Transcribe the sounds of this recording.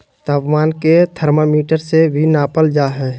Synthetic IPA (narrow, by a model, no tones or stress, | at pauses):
t̪aːpmaːnket̪ʰəɾmamiːʈəɾsebʱinaːpəld͡ʒaːɦɛː